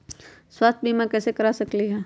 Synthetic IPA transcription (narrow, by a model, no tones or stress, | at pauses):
swaːst̪̚ʰbʱimãkɛːsekɐɾasɐkliɦɛː